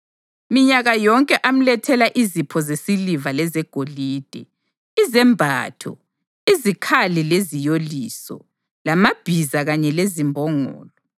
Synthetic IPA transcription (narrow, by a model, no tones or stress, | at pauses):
miɲaɣajɔŋkʼɛʔam̩lɛtʰɛlaʔizipʰɔzesilivalɛzɛɡ̥ʱoliːd̥ʱɛ | izɛmbʱa̰ːtʰɔ̰ | izikʰalilezijoliːsɔ̰ | lamab̥ʱizaɣaɲɛlezimbʱɔŋɔ̰ːlɔ